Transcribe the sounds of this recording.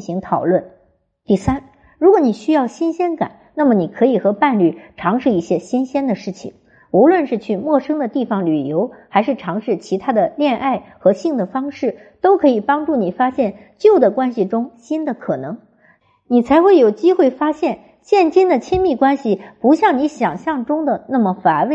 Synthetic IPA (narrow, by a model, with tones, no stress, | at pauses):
ɕi˧˥ŋt̪ʰɑ˨˩ʊlwə˥˩n | t̪i˥˩sa˥n | ɻu˧˥kwɔ˧˥˦ni˨˩ɕy˥jɑ˥˩ʊɕi˥nɕjɛ˥nka̰˨˩˦nna˥˩mə˩ni˨˩kʰɤ˧˥i˨˩xɤ˧˥pa˥˧nly˥˩ʈ͡ʂʰɑ˧˥ŋʂɻ̩˥˧i˥˩ɕjɛ˥ɕi˥nɕjɛ˥nd̪ə˨ʂɻ̩˥˩t͡ɕʰḭ˨˩ŋ | u˧˥lwə˥˧nʂɻ̩˥˧t͡ɕʰy˥˧mwɔ˥˩ʂɤ˥ŋd̪ə˨t̪i˥˩fɑ˩ŋly˨˩jo˧˥ʊxa˧˥ɪʂɻ̩˥˩ʈ͡ʂʰɑ˧˥ŋʂɻ̩˥˩t͡ɕʰi˧˥t̪ʰa˥d̪ə˨ljɛ˥˧nʔa˥˩ɪxɤ˧˥ɕi˥˩ŋd̪ə˩fɑ˥ŋʂɻ̩˥˩ | t̪o˥ʊkʰɤ˧˥i˨˩pɑ˥ŋʈ͡ʂu˥˩ni˨˩fa˥ɕjɛ˥˩n | t͡ɕjo˥˩ʊd̪ə˩kwa˥nɕi˨˩ʈ͡ʂʊ˥ŋɕi˥nd̪ə˨kʰɤ˨˩nɤ˧˥ŋ | ni˨˩t͡sʰa˧˥ɪxwe˥˩ɪjo˨˩ʊt͡ɕi˥xwe˥˩ɪfa˥ɕjɛ˥˩n | ɕjɛ˥˩nt͡ɕi˥nd̪ə˨t͡ɕʰi˥nmi˥˩kwa˥nɕi˨˩pu˧˥ɕjɑ˥˩ŋni˧˥ɕjɑ˨˩ŋɕjɑ˥˧ŋʈ͡ʂʊ˥ŋd̪ə˨na˥˩mə˩fa˨˩nwe˥˩ɪ